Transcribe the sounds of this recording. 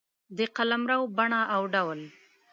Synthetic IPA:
d̪əqalamɾawbaɳaʔawɖawl

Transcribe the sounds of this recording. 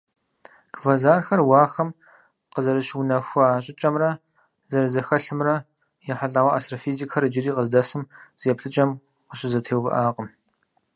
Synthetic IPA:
ɡ̥vɐzaːrxɐrwɑːxɐm | qəzɐɾɨɕwʊnɐxʷʊaːɕʼɪt͡ʃʼɐmrɐ | zɐɾɨzɨrxɐɬɨmrɐ | jɛħaɬʼɐwɐʔa̰ːstrɐfiːzikʰɐɾɨd͡ʒɪriːqəzdɐsɨmz̥ijɛpɬɨt͡ʃʼɐm | qəɕʼɪzɐtʰeːwvɨ̰ʔaːqʼəm

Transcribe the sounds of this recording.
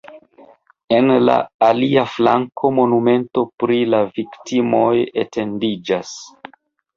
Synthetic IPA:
e̞nla̰ːliafla̰ŋkʰo̞mo̞nume̞nto̞pɾilaviktimo̞jetʰe̞ndid͡ʒas

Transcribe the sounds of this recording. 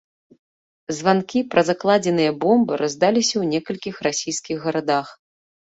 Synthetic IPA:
zvankʲipɾɐzaklˠad͡zʲɛnɨjɐbɔmbɨɾazd̪alʲisʲɐwnʲɛkɐlʲkʲixrasʲijskʲiɣːɐɾad̪ax

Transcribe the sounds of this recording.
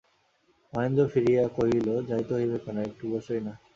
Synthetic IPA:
ɔjond̪ofiɾijakoɦilod͡ʑajt̪oɦojbekɔnoek̚ʈubɔʃojna

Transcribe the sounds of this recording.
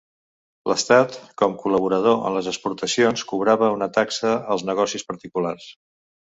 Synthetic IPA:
lʔəst̪at̪kɔmkuləβuɾəð̞oʔə̰nləzəspuɾt̪əsionskuβɾaβəunət̪aksəəlˠznəɣɔsispəɾt̪ikulars

